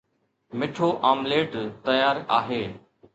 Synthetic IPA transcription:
mɪʈʰoːʔaːmleːʈt̪əjaːɾaːɦeː

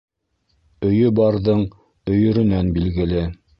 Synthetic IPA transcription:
ɵ̆jɵbɑɾðɤɴ | ɵ̆jɵ̆ɾɵ̆nænbilɡɘ̆lɘ

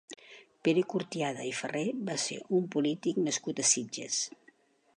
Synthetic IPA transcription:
peɾekuɾt̪iaðə̰ifəreβasḛʔumpulit̪iknəskut̪əsid͡ʒə̰s

